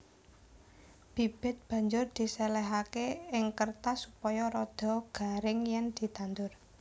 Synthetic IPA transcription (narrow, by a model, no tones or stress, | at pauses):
b̥ib̥ɪ̤t̪̚b̥a̤ɲd͡ʒʊrd̪̥i̤sɛlɛɦakeɪŋkərt̪asupɔjɔɾɔd̪̥ɔ̤ɡ̥a̤ɾɪŋjɛnd̪̥i̤t̪and̪ʊr